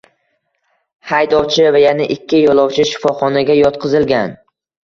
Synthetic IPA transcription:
hajd̪ɒwt͡ʃʰɪvajanaʔɪkʲʰːɪjɒlˠɒwt͡ʃʰɪʃɪ̥fɒχɒnaɡʲajɒt̪qʰɨzɪlɡʲan

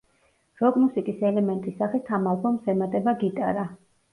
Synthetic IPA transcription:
ɾɔɡmusikʼisɛlɛmɛnt̪ʼisaχit̪ʰamalˠkʰɔmsɛmat̪ʼɛbaɡit̪ʼaɾa

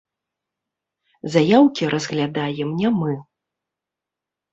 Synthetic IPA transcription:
zajawkʲiɾʔɐzɣlʲad̪ajɛmnʲɛmɨ

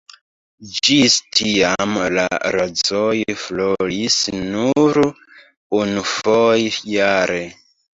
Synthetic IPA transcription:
d͡ʒistʰiamla̰ɾozojfloisnuɾ | unufojjaɾe

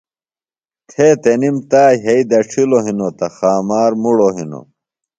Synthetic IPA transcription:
t̪ʰeːt̪enimt̪aːɦɐid̪ɐʈ͡ʂʰiloɦinot̪ɐxaːmaːɾmuɽoɦino̰

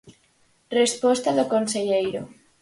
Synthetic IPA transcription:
respɔst̪aðokonseʎejɾo̰

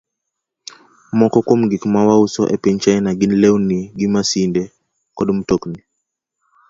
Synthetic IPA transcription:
mɔkɔkwomɡikmawausɔ̰ʔɛ̰pɛɲt͡ʃaɛnaɡɪnlɛwniɡimasindɛ | kɔdm̩tokni

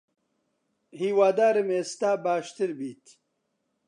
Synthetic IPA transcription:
hiːwaːd̪aːɾemeːst̪aːbaːʃt̪ɨɾbiːt̪

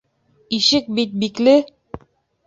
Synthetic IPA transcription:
iʃɘk̚bit̪̚biklɘ

